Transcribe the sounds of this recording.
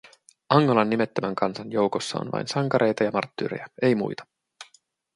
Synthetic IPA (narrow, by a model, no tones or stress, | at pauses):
ʔɑŋːolɑnːime̞t̪ːømæŋkɑnsɑnjo̞wko̞sːɑ̰o̰nʋɑ̰jnsɑŋkɑɾʔe̞jt̪ɑjɑmɑ̰rt̪ːy̰ːɾḛjɑe̞jmṵjt̪ɑ̥